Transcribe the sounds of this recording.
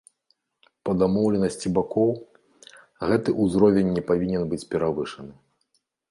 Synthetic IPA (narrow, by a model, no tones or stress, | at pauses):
pɐd̪amɔwlʲɛnɐsʲt͡sʲibakɔw | ɣɛt̪ɨʔuzɾɔvʲɛnʲːɛpavʲinʲɛnbɨt͡sʲpʲɛɾavɨʂɐnɨ